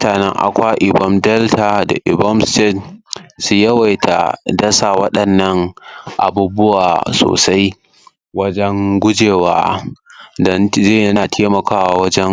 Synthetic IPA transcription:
mʊ˦taː˨nɛ̰˦ŋʔa̰˨kʷaː˦ʔɪ˨bɔ˦mdɛ˦ltʰa˨da̰˨ʔɪ˨bɔ˦mste˦˨tsu˦jɐ˦wa˨jtʰa̰˨dɐ˦sa˨wɐ˦ɗɐ˨nːɐ˦ŋʔa̰˨buː˦bʊ˦waː˨so̰ː˨sa˦j | wɐ˦d͡ʒɛ˦ŋɡʷʊ˦d͡ʒeː˨wa̰ː˦ | dɔ˦nzeː˦˨jɐ˦naː˨tʰeː˦mɐ˨kaː˦waː˨˦wɐ˦d͡ʒɛ˦ŋ

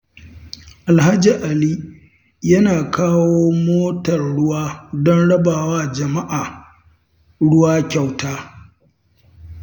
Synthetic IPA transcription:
ʔa˨lha˦d͡ʒi˨ʔa˨liː˦ | jɐ˦naː˨kʰaː˦woː˦moː˦tɐ˨rɽʊ˦waː˦dɔ˦nɽɐ˦baː˨waː˦d͡ʒɐ˨ma˦ʔaː˨ | ɽʊ˦waː˦kʲa˨wtaː˦

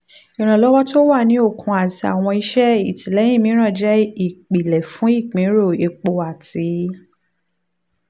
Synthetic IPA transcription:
i˨ɾ̃ã˨lɔ˦wɔ˦to˦wa˦˨nĩ˨˦o˦˨kʰũ˧a˨ti˨a̰˨w̃ɔ̃˧i˦ʃɛ˦i˨tĩ˨lɛ̃˨˦ĩ˦˨mĩ˨˦ɾ̃ã˦˨d͡ʒɛ˦i˦˨k͡pi˨lɛ˨fũ˨˦i˦˨k͡pĩ˨˦ɾo˦˨e˧k͡po˧a˨ti˨˦

